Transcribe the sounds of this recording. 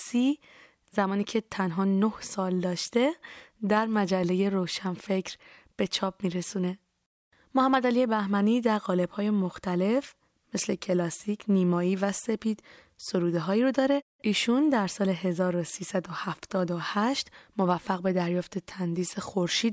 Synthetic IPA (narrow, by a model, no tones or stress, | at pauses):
siː | zæmɒːniːcʰe̞t̪ʰænɦɒːnohsɒːld̪ɒːʃt̪e̞d̪æɾmæd͡ʒælːe̞je̞ɾoːwʃænfe̞cɾb̥e̞t͡ʃʰɒːp̚miːɾe̞suːne̞ | mohæmːæd̪ælije̞bæhmæniːd̪æɾɣɒːle̞b̥hɒːje̞moxt̪æle̞f | me̞sle̞cʰe̞lɒːsicʰniːmɒːiːvæse̞pʰiːd̪̥ | so̞ɾuːd̪eɦɒːiːɾod̪ɒːɾe̞ | ʔiːʃund̪æɾsɒːle̞ɦe̞zɒːɾo̞siːsæd̪o̞hæft̪ɒːd̪ohæʃt̪mo̞væfːæɣbe̞d̪æɾjɒːft̪ʰe̞t̪ʰænd̪iːsexoɾʃiːd̪̚